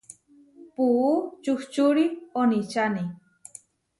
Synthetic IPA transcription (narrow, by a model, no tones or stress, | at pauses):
puːt͡ʃuht͡ʃuɾionit͡ʃani